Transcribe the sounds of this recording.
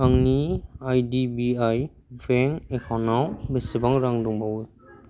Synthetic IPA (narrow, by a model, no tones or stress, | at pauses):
aŋniajdibiaj | bɛŋɛkʰɔnawbesibaŋɾaŋdɔŋbawɯ